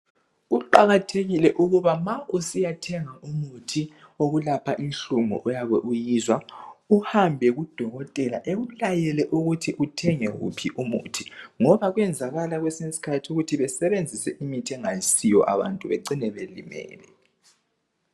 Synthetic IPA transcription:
uǃaɣatʰeɣilɛʔuɣuβamaʔusijatʰɛŋaʔumutʰi | oɣulapʰaʔinɬuŋṵʔɔjaβɛʔujizwauhambʱɛɣud̥ʱɔɣɔtʼɛla̰ʔeɣulajɛlɛʔuɣutʰiʔutʰɛŋɛɣṵpʰiʔumṵtʰi̥ŋɔβaɣwɛnd͡zʱaɣalaɣwɛsisi̥kʰatʰiuɣutʰiβɛsɛβend͡zʱisɛʔimitʰɛŋajisijɔ̰ʔa̰βa̰ntʼuβeǀinɛβelḭmɛ̰ːlɛ

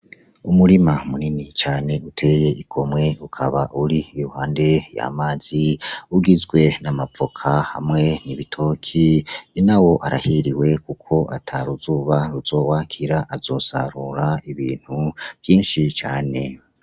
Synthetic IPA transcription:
umuɾimamuninit͡ʃaːne̞utʰe̞je̞ikʰo̞mŋe̞ukʰaβaʔuɾiːɾuhaːnde̞ja̰maːz̥iuɡizɡwe̞namap͡fokʰahamŋe̞niβitʰo̞kʰinawo̞ʔaɾahiɾiwe̞kukʰo̞ʔatʰaɾuzuːβaɾuzo̞ːwaːkʰiɾaʔazo̞sa̰ɾuɾaiβiːn̥huv̥jiːnʃit͡ʃaːne̞

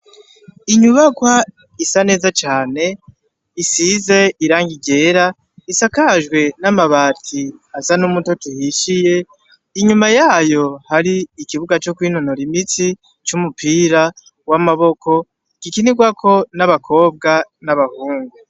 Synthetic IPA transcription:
iɲuβakwa | isane̞ːzat͡ʃaːne̞ | isize̞iɾaːŋɡiɟe̞ːɾa | isakaʒɡwe̞namaβaːtʰiazanumutotuhiʃije̞ | iɲumajaːjo̞haɾiːkiβuɡat͡ʃo̞kwiːnonoɾimit͡si | t͡ʃumupʰiːɾa | wamaβo̞kʰo̞ | kikiniɡwakʰo̞naβakʰo̞ːb̚ɡanaβahuːŋɡu

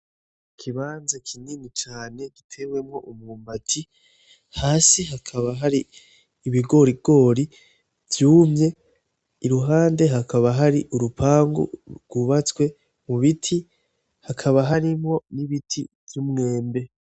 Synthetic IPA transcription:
kʰiβaːnzakʰininit͡ʃaːne̞ɡitʰe̞we̞mŋo̞ʔumŋuːmbatʰi | haːsiɦakʰaβaɦaɾiː | βiɡo̞ɾiɡo̞ːɾi | vjuːmɲe̞ | iɾuɦaːnde̞ɦakaβaɦaɾiʔuɾupʰaːŋɡṵɡ̥wuβat͡skwe̞ | muβitʰi | hakʰaβaɦaɾimo̞niβitʰḭvjumŋe̞ːmbe̞

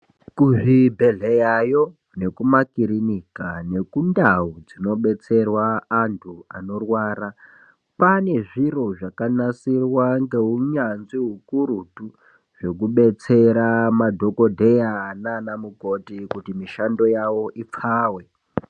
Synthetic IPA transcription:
kuʐibʱe̞ɮejajo̞ | ne̞kumakiɾinikane̞kundaud͡zino̞ɓe̞t͡se̞rwaːntʰua̰no̞rwaːɾa | pane̞ʐiro̞ʐakanasirwaŋɡe̞ɦuɲanziɦukuɾutu | ʐ̥e̞kuɓe̞t͡se̞ɾamadʱo̞ko̞dʱe̞jananamuko̞tikutimiʃando̞jawo̞ʔip͡faːwe̞

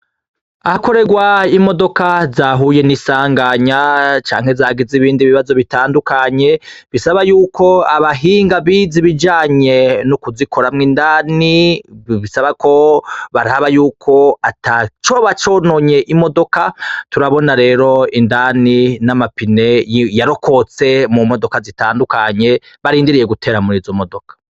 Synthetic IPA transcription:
ahako̞ɾe̞ɡwaimo̞do̞kazaːɦuːje̞nisaːŋɡaɲat͡ʃa̰ːŋ̥he̞zaːɡiziβiːndiβiβazo̞βitaːndukaɲe̞βisaβajuːkʰoaβaɦiːŋɡaβiːziβid͡ʒaːɲe̞nukuzikʰo̞ɾamŋiːndaːniβisaβako̞βaɾaβajuːkʰo̞atʰat͡ʃo̞ːβat͡ʃo̞ːnoɲe̞ʔimo̞do̞katuɾaβo̞naɾe̞ːɾo̞indaninamapine̞jaɾo̞kʰo̞t͡se̞mumo̞do̞kazitaːndukaɲe̞ | βaɾiːndiɾije̞ɡutʰe̞ːɾamuɾiːzomo̞do̞kʰḁ

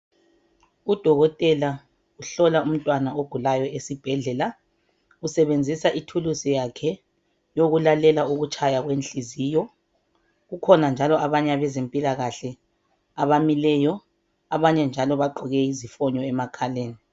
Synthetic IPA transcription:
ud̥ʱɔɣɔtʼɛla | uɬɔlaum̩tʼwanaoɡ̥ʱulajɔesib̥ʱɛɮɛla | usɛβend͡zʱisaʔitʰulusijakʰɛ | joɣulalɛlauɣut͡ʃʰʼajaɣwent͡ɬizijɔ | ɣukʰɔnand͡ʒʱalɔaβaɲɛaβɛzempʼilaɣaɬɛ | aβamilɛjɔ | aβaɲɛnd͡ʒʱalɔβaɡ͡ǃʱɔɣɛizifɔɲɔɛmakʰaleːni

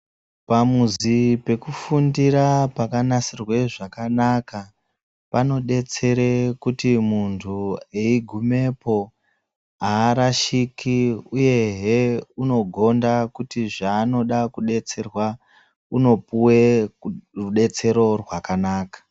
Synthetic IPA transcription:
pamuzipe̞kufundiɾapakanasirwe̞ʐakanaka | pano̞ɗe̞t͡se̞ɾekutimuntʰueiɡʱume̞po̞ | aːɾaʃikʰiuje̞ɦeuno̞ɡʱo̞ndakutiʐaːno̞ɗakuɗe̞t͡se̞rwa | uno̞puwe̞ | ruɗe̞t͡se̞ɾo̞rwakanaːkḁ

